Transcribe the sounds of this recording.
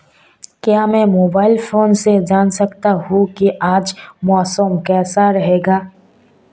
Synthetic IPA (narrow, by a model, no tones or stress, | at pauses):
kjaːmɛ̃moːbaːɪlfoːnsed͡ʒaːnsɐkt̪aɦukiʔaːd͡ʒmɔːsəmkɛːsaɾɐɦeːɡaː